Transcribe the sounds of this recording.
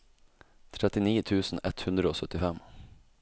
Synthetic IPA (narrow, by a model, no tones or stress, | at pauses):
t̪ʰɾɛt̪ːɪniːt̪ʰʉːsn̩ɛt̪hɵnd̪ɾəoːsœt̪ːɪfɛmː